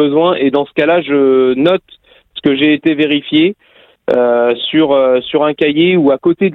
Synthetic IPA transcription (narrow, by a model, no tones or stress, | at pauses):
əzwɛ̃ʔed̪ɑ̃sə̥kalaʒənɔt̪ | sə̥kəʒeːt̪eveʁifje | øsyʁøsyʁɛ̃kʲajeuakot̪ed̪